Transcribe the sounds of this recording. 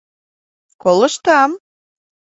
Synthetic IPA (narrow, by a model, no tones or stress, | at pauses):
kolə̆ʃt̪ɑm